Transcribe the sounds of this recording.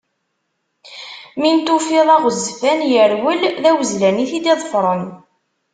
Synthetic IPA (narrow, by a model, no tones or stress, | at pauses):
mint̪ufiðˤɑʁəzːfænjəɾwəlðæwəzlæniθid̪iðˤəfɾˤən